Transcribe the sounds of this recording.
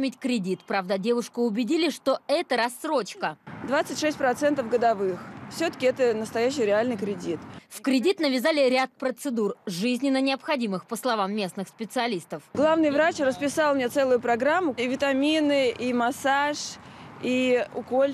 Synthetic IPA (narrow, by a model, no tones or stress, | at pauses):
mʲɪtʲkɾʲɪdʲit̪pɾavd̪ədʲe̞vʊʂkəʊbʲɪdʲilʲɪʂt̪o̞ɛt̪əɾɐsːro̞t͡ɕkəd̪vat̪sɨtʲʂɛsʲt̚ʲpɾɐt̪sɛnt̪əfɡəd̪ɐvɨxfsʲɵt̪ə̥kʲɪɛt̪ənəst̪ɐjæɕːɪjɾʲɪalʲnɨjkɾʲɪdʲit̪fkɾʲɪdʲit̪nəvʲɪzalʲɪɾʲat̪̚pɾət̪sɨd̪urʐɨzʲnʲɪnənʲɪɐpxɐdʲimɨxpəslˠɐvamːʲe̞snɨxspʲɪt̪sɨɐlʲist̪əfɡlˠavnɨjvɾat͡ɕrəspʲɪsalˠmnʲet̪sɛlˠʊjʊpɾɐɡɾamːʊivʲɪt̪ɐmʲinɨʔimasaʂiʊ̰kolʲ